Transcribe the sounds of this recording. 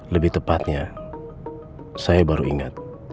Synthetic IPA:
ləbɪht̪əpat̪̚ɲa | sajabaɾuiŋat̪̚

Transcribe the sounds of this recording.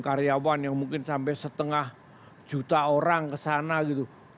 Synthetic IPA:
kaɾjawanjaŋmuŋkɪnsampɛsət̪əŋah | d͡ʒut̪aoɾaŋkəsanaɡit̪u

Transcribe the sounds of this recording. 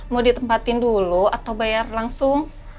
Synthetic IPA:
mudit̪əmpat̪ɪnduluat̪awbajarlaŋsʊŋ

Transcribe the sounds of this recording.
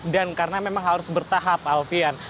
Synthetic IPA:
dankaɾənamemaŋɦaɾʊsbərt̪aɦapalfian

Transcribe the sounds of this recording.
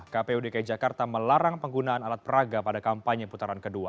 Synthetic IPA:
kapeudekajt̪̚d͡ʒakart̪aməlaɾaŋpəŋɡunaanalat̪̚pəɾaɡapadakampaɲəput̪aɾankədua̰

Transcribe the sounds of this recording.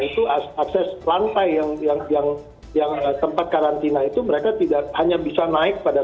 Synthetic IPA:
it̪uaaksɛslant̪ajːaŋjaŋjaŋ | jaŋət̪əmpat̪̚kaɾant̪inait̪uməɾekat̪idak̚haɲabisanaɪk̚pada

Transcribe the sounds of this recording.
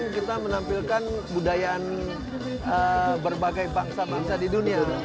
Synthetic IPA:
ŋkit̪amənampilkanbudajaːn | ʔəbərbaɡajbaŋsabaŋsadidunia

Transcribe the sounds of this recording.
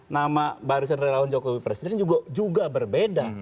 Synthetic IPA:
namabaɾus̬anrɛlawand͡ʒokɔwipɾɛsidɛnd͡ʒuɡad͡ʒuɡabərbeda

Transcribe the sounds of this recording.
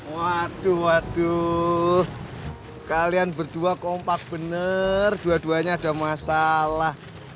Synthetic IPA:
wad̪̥uwad̥u | kalianbərd̪̥uakɔmpak̚b̥ənərd̥uad̥uaɲaːd̥a̤masalah

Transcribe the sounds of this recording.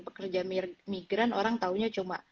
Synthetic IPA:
pəkərd͡ʒamiɡɾanoɾaŋt̪auɲat͡ʃuma

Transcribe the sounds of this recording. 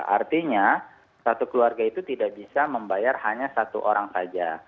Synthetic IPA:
a̰rt̪iɲa | sat̪ukəluarɡait̪ut̪idaʔbisaməmbajarhaɲasat̪ṵʔoɾaŋsad͡ʒa

